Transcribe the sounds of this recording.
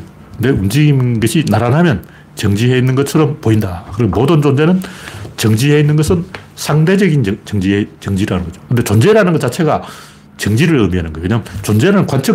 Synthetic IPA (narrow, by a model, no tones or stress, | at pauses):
kkɯnde̞und͡ʑiɡinɡʌɕʰinaɾanɦamjʌn | t͡ɕʌŋd͡ʑiɦeinːɯnɡʌtt͡ɕʰʌɾʌmpoindakɯɾʌɡmodɯnd͡ʑond͡ʑe̞nɯnt͡ɕʌŋd͡ʑiɦeinːɯnɡʌsʰɯnsʰaŋde̞d͡ʑʌɡint͡ɕʌŋd͡ʑiɦet͡ɕʌŋd͡ʑiɾanɯnŋɡʌd͡ʑo̥kɯndet͡ɕond͡ʑe̞ɾanɯnɡʌt͡ɕat͡ɕʰe̞ɡa | t͡ɕʌŋd͡ʑiɾɯɭɯmiɦanɯnɡʌjoweɲaŋt͡ɕond͡ʑe̞ɾɯnkwant͡ɕʰɯ